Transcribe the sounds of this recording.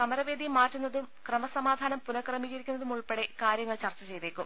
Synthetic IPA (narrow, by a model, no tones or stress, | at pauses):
sɐmɐɾɐʋeːd̪ʱimaːtːunːɐðum | krɐmɐsɐmaːd̪ʱaːnɐmpunɐkrɐmiɣɐɾikʲːunːɐðumuɭpe̞ɽe̞kaːɾjɐŋːɐɭt͡ɕɐrt͡ɕːɐt͡ɕe̞jt̪eːkʲːum